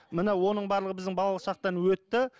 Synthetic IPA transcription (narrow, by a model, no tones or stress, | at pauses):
mənewo̞nəɴbɑɾlˠəʁəbɪzd̪ɪŋbɑlˠɑlˠəʃɑq̚t̪ɑnwɵt̪ːɪ